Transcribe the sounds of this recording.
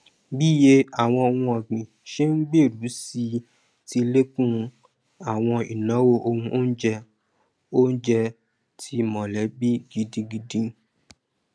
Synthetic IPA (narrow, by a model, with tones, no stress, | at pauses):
bi˦je˧a˨w̃ɔ̃˧o˧wũ˧ɔ˨ɡ͡bĩ˨ʃe˦n̩˦ɡ͡be˦˨ɾu˨˦si˧ | ti˧le˦kũ˦ | a˨w̃ɔ̃˧i˨nã˨˦wo˦ʔo˧hũ˧ʔo˦n̩˦d͡ʒɛ˧ | o˦n̩˦d͡ʒɛ˧ | tʰi˧mɔ̃˨lɛ˨˦bi˦ɡi˧dĩ˧ɡi˧dĩ˧